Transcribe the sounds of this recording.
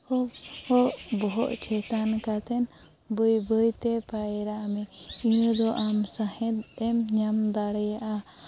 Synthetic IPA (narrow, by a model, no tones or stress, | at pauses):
ɔɔʔbɔɦɔ̰ʔt͡ʃʰɛt̪ankat̪ɛn | bəjbəjt̪ɛpajɾaʔmɛinud̪ɔʔamsahɛt̪̚ɛmɲamd̪aɽɛjaʔa